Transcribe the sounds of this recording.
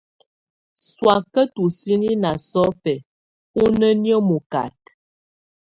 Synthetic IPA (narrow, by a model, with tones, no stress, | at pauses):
swa˨kə˦tu˨si˦ni˦na˨sɔ˦pɛ˨ | u˦nə˦njə˦mu˨ka̰˨t̚